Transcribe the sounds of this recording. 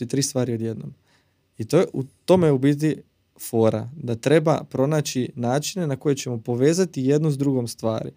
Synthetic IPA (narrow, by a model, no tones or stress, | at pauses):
it̪ɾiːst̪ʋaːɾio̞d̪je̞d̪no̰m | it̪oʔut̪o̞mejubiz̬i | fo̞ːɾa̰d̪at̪ɾe̞bapɾo̞naːt͡ɕt͡ʃinaːt͡ʃine̞nako̞jet͡ɕe̞mo̞po̞ʋe̞ːzat̪ije̞d̪nuzd̪ɾuɡo̞mst̪ʋa̰ːɾḭ